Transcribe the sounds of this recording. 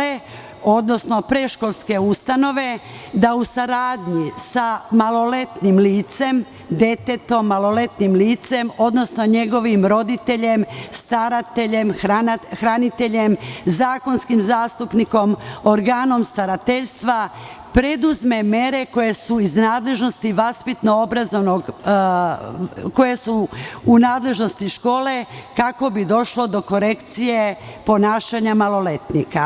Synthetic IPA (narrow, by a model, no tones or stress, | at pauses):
e | o̞d̪no̞sno̞pɾe̞ʃko̞lˠske̞ust̪ano̞ʋe̞ | d̪ausaɾaːd̪ɲisamalo̞le̞t̪nimliːt̪se̞m | d̪e̞t̪e̞t̪o̞mːalo̞le̞t̪nimliːt̪se̞mo̞d̪no̞sno̞ɲe̞ɡo̞ʋimɾo̞d̪it̪e̞ʎe̞mst̪aɾat̪eʎe̞maxɾanit̪e̞ʎe̞mzaːko̞nskimzaːst̪upniko̞moɾɡaːno̞mst̪aɾat̪eʎst̪ʋa | pɾe̞d̪uzmeme̞ɾe̞ko̞je̞suiznaːd̪le̞ʒno̞st̪iʋaspit̪no̞obɾazoʋnoɡ | ko̞je̞suunaːd̪le̞ʒno̞st̪iʃko̞ːle̞kako̞bid̪o̞ʃlo̞d̪o̞ko̞ɾe̞kt̪sije̞po̞naːʃaɲamalo̞le̞t̪nika